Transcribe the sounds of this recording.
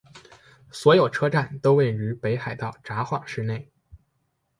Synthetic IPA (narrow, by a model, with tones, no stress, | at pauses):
swɔ˧˥jo˨˩ʊʈ͡ʂʰɤ˥ʈ͡ʂa˥˩nt̪o˥ʊwe˥˩ɪɻy˧˥pe˧˥ɪxa˨˩ɪt̪ɑ˥˩ʊʈ͡ʂa˧˥xwɑ˨˩ŋʂɻ̩˥˧ne˥˩ɪ